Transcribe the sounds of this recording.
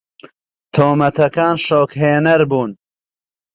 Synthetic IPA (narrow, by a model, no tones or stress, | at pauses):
t̪ʰoːmɐt̪ɐkaːnʃoːkɦeːnɐɾbuːn